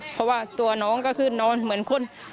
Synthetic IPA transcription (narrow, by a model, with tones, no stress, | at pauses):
pʰɔ˧waː˧˩t̪u˧˩ɐnɔː˦˥˨ŋkɔ˧˩kʰɯː˧˩nɔː˧˥˩nmɯ˩˦ənkʰo˧˥˨n